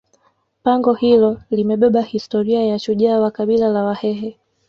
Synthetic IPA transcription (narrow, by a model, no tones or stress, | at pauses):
paŋɡɔhilɔlimɛɓɛɓahistɔɾiajaʃuʄaːwakaɓilalawahɛɦɛ